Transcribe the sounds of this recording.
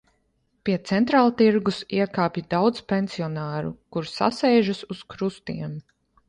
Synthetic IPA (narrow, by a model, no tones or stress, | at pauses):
pʲiɛt̪sɛnt̪ɾaːlˠt̪iɾɡusiɛkaːpʲjid̪awd̪z̥pʲensiɔnaːɾṵkuɾsa̰sɛjʒasuskɾust̪iɛm